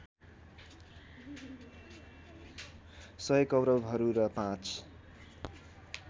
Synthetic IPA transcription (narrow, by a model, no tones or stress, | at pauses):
sʌjʌkʌwɾʌbɦʌɾuɾʌpãt͡s